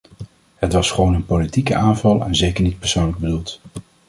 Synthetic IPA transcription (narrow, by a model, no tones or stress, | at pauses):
hətʋɑsχəʋownənpolitikəʔaːnvɑlˠɛ̰nzejkəɹnit̚pɛɹsownləɡ̚bədulˠt